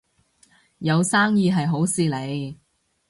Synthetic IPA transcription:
jɐ˨˧wsaː˥ŋjiː˧ɦɐ˨jɦo˨˥wsiː˨˧le˨˧j

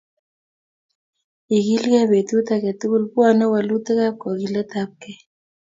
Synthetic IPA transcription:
i˨ɣi˦lɣɛ˦βe˨t̪u˦t̪a˨kɛ˨t̪u˦ɣu˦lpu˦a˨nɛ˦wa˨lu˦t̪ɛ˦ɣa˦p̚kɔ˨ɣi˨lɛ˦t̪a˦p̚kɛ˦

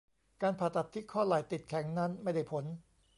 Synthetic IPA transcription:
kaː˧npʰaː˨˩t̪ːa˨˩t̪ʰːi˦˥kʰɔː˥˩laː˨˩jt̪i˨˩t̪̚kʰɛ˩˦ŋna˦˥nma˥˩jda˥˩jpʰo˩˦n

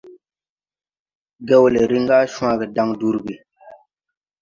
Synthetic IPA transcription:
ɡɛ˦wle˨ɾi˦ŋɡa˦ʃw̃a˦ɡɛ˨da˦ŋdu˦ɾɡi˨

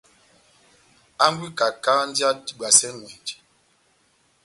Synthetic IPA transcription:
a˦ŋ˦ɡwi˦ka˨ka˦n̩˦da˦i˨ɓa˨sɛ˦ŋwɛ˨d͡ʒi̥˨

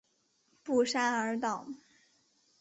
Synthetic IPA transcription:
pu˥˩ʂa˥nə˞˧˥t̪ɑ˥˩˦ʊ˦

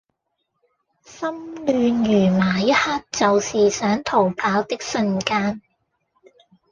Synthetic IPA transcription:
sɐ˥mlyː˨˧njyː˨˩maː˨˩jɐ˥t̚haː˥k̚t͡sɐ˨wsiː˨sœː˨˥ŋt̪ʰo˨˩wpʰaː˨˥wt̪ɪ˥k̚sɵ˧nkaː˥n

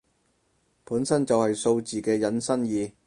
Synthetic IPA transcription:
puː˨˥nsɐ˥nt͡sɐ˨whɐ˨jso˧wt͡siː˨˩kɛː˧jɐ˨˥nsɐ˥njiː˨˧

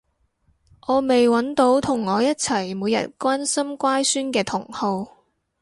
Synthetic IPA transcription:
ʔɔː˨˧me˨jwɐ˨˥nt̪o˨˥wt̪ʰʊ˨˩ŋːɔː˨˧jɐ˥t̚t͡sʰɐ˨˩jmuː˨˧jɐ̰˨t̚kʷaː˥nsɐ˥mkʷaː˥jsyː˥nkɛː˧t̪ʰʊ˨˩ŋho˧w

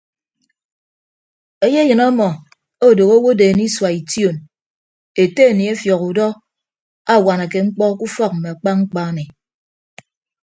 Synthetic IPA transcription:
e˦je˦jɨ˨na˦mɔ˨ | o˦˨do˨ɣo˦wo˦de˨n˦i˦swa˨i˨tjo˦˨n | e˨te˦e˨ni˨e˦fjɔ˨ɣu˨dɔ˦ | a˦˨wa˨na˨ke˨ŋ͡m̩˦k͡pɔ˦ku˦fɔ˦k̚m̩˨me˨a˨k͡pa˦ŋ͡m̩˦k͡pa˦ne˨

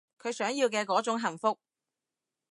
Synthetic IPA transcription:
kʰɵ˨˧ɥsœː˨˥ŋjiː˧wk̬ɛː˧kɔː˨˥t͡sʊ˨˥ŋɦɐ˨˩nfʊ˥k̚

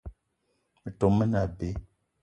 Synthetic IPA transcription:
mə˨to˨mə˦na˨be˦

